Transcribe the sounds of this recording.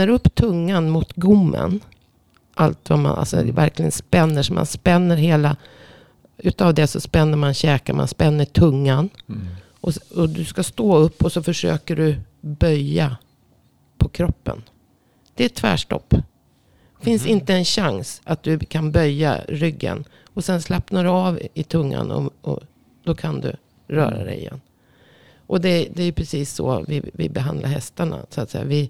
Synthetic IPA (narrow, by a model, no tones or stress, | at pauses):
əɾɵpːt̪ʰɵŋːanmʊt̪ɡʊmːə̰n | ʔalt̪vama̰nʔa̰lsɔ̰væ̰ɾklɪɡə̰nspɛnːəʂɔmʔa̰nspɛnːəɾɦeːla | ʉ̟ːt̪aːvd̪ɛsɔspɛnːəɾmanɕɛːkama̰nspɛnːəʈʰɵŋːan | ʔɔɔd̪ɵskast̪oːɵpːɔsɔfœʂø̰ːkəɖɵ | bœjːa | pʰɔkʰɾɔpːə̰n | d̪̥ɛæt̪ʰvæ̰ːʂʈɔ̰pː | fɪnsɪnt̪əɛnɕaŋsʔat̪̚d̪ɵkʰanbœjːa̰ɾʏɡːə̰n | ɔsɛnslɛpnaɖɵɑːvɪt̪ʰɵŋːa̰nɔ̰ɔ̰ | d̪ɔkʰand̪ɵ̰ | ɾœ̰ːɾad̪ɛ̰jɪ̰jɛ̰nː | ʔɔd̪ɛd̪ɛæɾjɵpʰɾɛsiːsːɔ̰vɪvɪbɛɦand̪lʔahɛst̪aɳa̰sʊat̪sɛjːa̰vɪ